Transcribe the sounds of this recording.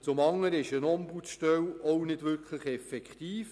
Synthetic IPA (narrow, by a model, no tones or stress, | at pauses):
t͡sʊmɑŋːəɾɪʃənɔmbut͡sʃtœwɔwnɪdʋʏɾkχləχɛfɛkχtiːf